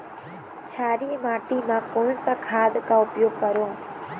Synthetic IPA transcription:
t͡ʃʰaːɾiːmaːʈiːmãːkoːnsakʰaːd̪kaːʊpjoːɡ̚kəɾoː

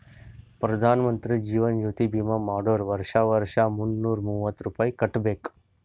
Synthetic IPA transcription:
pɾɐd̪ʱaːnmənt̪ɾid͡ʒiːʋənd͡ʒuːt̪ibimamaːɖoːɾʋəɾʃaʋəɾʃamunːuːɾmuːʋət̪ɾupaːikəʈbek

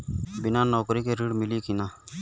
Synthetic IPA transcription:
bɪnaːnoːkɾiːkeːɾiːɽmɪliːkinaː

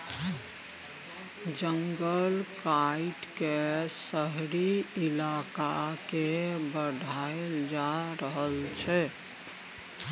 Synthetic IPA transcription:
d͡ʒəŋɡəlkaiʈkesəɦɾiilakakebəɖʱaeld͡ʒaɾəɦəlt͡ʃʰɛ

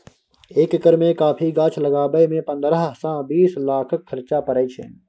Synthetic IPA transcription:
eːkɪkəɾmẽkaːpʰiɡãːt͡ʃʰləɡaːbəmẽpə̃nd̪ɾəɦsãbiːslaːkʰəkʰːəɾt͡ʃapəɾəit͡ʃʰḛ̃ː

